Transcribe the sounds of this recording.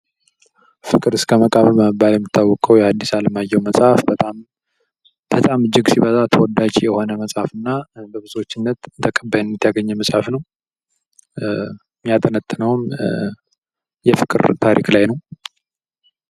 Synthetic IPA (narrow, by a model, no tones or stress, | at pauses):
fɨkʼɨɾɨskʰəməkʼaβbəmɨbaljɛmːit̪ʰːawːɔkʼəwjɛad̪ːisaləmajːɛwməsʼhafbət̪ʼam | b̥ət̪ʼamɨd͡ʒːɪɡsiβəzat̪ʰwɔd̪ad͡ʒjɛho̞nəməsʼhafɨnːabəβɨzo̞t͡ʃːɪnːət̪t̪ʰəkʼəbːajɪnːɨt̪ːjaɡəɲːɛməsʼhafnəw | jat̪ʼənət̪ʼːənəwm | jɛfɨkʼɨ̰ɾt̪ʰaɾḭklajnəw